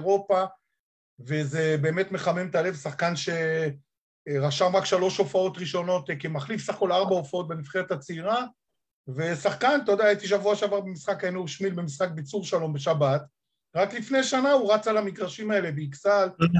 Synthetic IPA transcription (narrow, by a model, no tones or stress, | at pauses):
ʁo̞pa | veze̞be̞ːme̞tme̞χame̞mt̪ale̞vsaχkanʃe̞ | ʁaʃamʁakʃalo̞ʃo̞fao̞tʁiʃo̞no̞tkimaχlifsaχko̞laʁbaofao̞t̪̚be̞mifχeʁetat͡seiʁa | ve̞saχkant̪od̪aitiʃavuaʃavaʁbemisχakaenuuʃmilbemisχak̚bit͡suʁʃalo̞mbe̞ʃabat̪ | ʁaklifne̞ʃanauʁat͡salamiɡʁaʃimae̞le̞beiksal